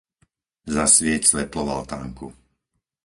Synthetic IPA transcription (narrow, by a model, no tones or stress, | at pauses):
zasʋɪɛcsʋɛplɔʋa̰lt̪aːŋku